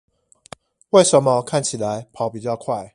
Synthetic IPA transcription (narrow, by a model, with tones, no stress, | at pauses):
we˥˩ɪʂə˨˦nmə˧kʰa˥˨nt͡ɕʰi˨˩la˨˦ɪpʰɑ˨˥ʊpi˨˩t͡ɕjɑ˥˧ʊkʰwa˥˩ɪ